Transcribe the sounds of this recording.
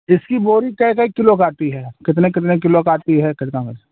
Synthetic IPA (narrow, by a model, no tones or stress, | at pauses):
ɪskiboːɾikɐikɐikɪlokaːt̪iɦɛːkɪt̪nẽkɪt̪̬nek̬ɪlokaːt̪iɦɛkɪt̪nãkɐ